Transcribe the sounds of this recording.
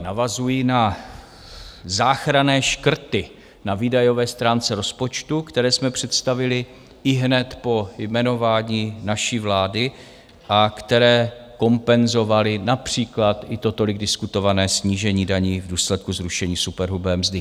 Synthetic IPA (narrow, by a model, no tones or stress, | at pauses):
navazujina | zaːxɾanɛːʃkr̩t̪ɪ | naviːdajo̞vɛːst̪ɾaːnt͡sɛɾo̞spot͡ʃt̪ukt̪ɛɾɛːsmɛpr̝̥ɛt̪st̪avɪlɪ | ɪɦnɛt̪po̞jmɛno̞vaːɲiːnaʃiːvlaːdɪ | ʔakt̪ɛɾɛːko̞mpɛnzo̞valɪnapr̝̥iːklat̪ʔɪt̪o̞t̪o̞lɪɡdɪskut̪o̞vanɛːsɲiːʒɛɲiːdaɲiːvduːslɛt̪̚kuzɾuʃɛɲiːsupɛɾɦubɛːmzdɪ